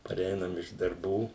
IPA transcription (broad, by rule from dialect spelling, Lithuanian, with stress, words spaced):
pɐˈrʲɛɪnɐm ɪʃ dɐrˈbuː